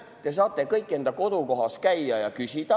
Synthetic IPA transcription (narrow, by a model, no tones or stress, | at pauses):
t̪e̞s̬ɑːt̪ːˑe̞kɤjkːˑe̞nd̪ɑko̞d̪̥uko̞ɦɑst̪̚kæjːɑjɑkysʲid̪̥ɑ